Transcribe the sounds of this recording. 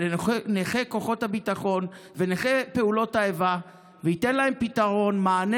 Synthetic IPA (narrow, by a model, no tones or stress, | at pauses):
neχeko̞χo̞thabitaχo̞nveneχepe̞ulo̞taeva | vehit̪enlaempitaʁo̞nmaːne